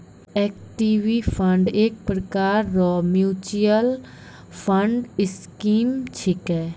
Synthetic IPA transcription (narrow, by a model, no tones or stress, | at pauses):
ekʈiːʋipʰəɳɖeːk̚pɾəkaːɾːɔmjuːt͡ʃijəl | pʰə̃ɳɖɪskiːmt͡ʃʰɪkɛː